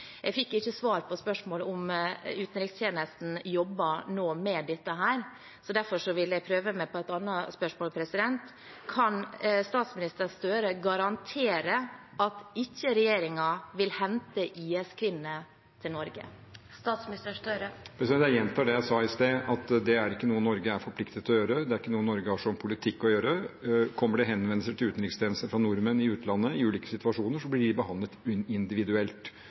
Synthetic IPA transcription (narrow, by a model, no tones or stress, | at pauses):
jʔɛfɪkːɪçːəsʋɑːɾpʰɔspœʂmoːlʊmʉːt̪n̩ɾɪkst̪ʰjeːnəst̪n̩jɔbːɑnoːmɛd̪ɛt̪ːəɦæːɾ | sɔd̪æɾfɔʂɔʋɪljæɡpʰɾøːʋəmɛpʰɔɛt̪ɑnːɑspœʂmoːlpʰɾɛsɪd̪ɛnt̪ | kʰɑnst̪ɑːt̪smɪnɪst̪əɾst̪øːɾəɡɑɾɑnt̪ʰeːɾə | ʔɑt̪ɪçːəɾɛjeːɾɪŋɑʋɪlhɛnt̪əʔiːɛskʰʋɪnːə | t̪ʰɪlnɔɾɡə̰ | st̪ɑːt̪smnɪst̪əst̪øɾəpʰɾɛsɛd̪æɾjɛnt̪ʰɑɖɛjæsɑːɪst̪eːʔɑt̪d̪ɛæɾɪkːənuːənːɔɾɡəæɾfɔɾpʰlɪkt̪ət̪ʰɔjøːɾəd̪ɛæɾɪkːənuːənːɔɾɡəæʂɔmpʰʊlɪt̪ʰɪkːɔjøːɾəkʰɔmːəɖɛɦɛnʋɛn̩səʈ̪ʰɪlʉːt̪n̩ɪkst̪ʰeːnəsənfɾɑnʊɾmənɪʉːt̪lɑnːəɪʉːliːkə̥sɪt̪ʋɑʂuːnəʂɔblɪɖɪbəhɑnd̪ət̪ɪnd̪ɪʋɪd̪ʉɛlt̪